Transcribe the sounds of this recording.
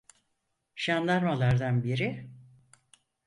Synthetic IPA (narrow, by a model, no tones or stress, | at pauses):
ʃand̪aɾmalˠaɾd̪anbiɾi